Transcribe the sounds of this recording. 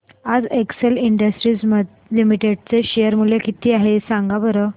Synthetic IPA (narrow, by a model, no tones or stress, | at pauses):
ad͡zekseliɳɖəsʈɾiːsməd̪ | limiʈeɖt͡seɕejəɾmulekit̪iːaɦesãŋɡabəɾə